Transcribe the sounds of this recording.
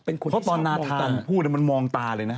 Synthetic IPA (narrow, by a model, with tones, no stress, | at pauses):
pe˧nkʰo˧pʰɔ˦˥t̪ɔː˧nːaː˦˥t̪ʰaːa˧npʰuː˥˩t̪̚ni˥˩ma˧nmɔː˧ŋt̪aː˧lɤː˧jna˦˥